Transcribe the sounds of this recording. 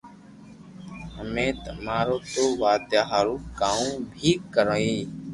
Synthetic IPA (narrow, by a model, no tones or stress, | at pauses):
həmẽːt̪əmaːɾoːt̪oːʋaːd̪jaːɦaːɾuːkãːũːbʱiːkəɾõːiː